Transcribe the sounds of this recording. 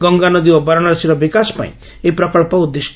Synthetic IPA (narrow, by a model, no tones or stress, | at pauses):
ɡɔŋɡanɔd̪iwɔbɔɾɔɽ̃ɔɾɔsiɾɔbikasɔ̥pa̰ḭ̃ | epɾɔkɔɭpɔud̪ːes